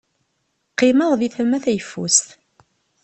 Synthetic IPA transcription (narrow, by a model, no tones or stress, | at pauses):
qːɪməðˤðiθəmːæθæjəfːṵsθ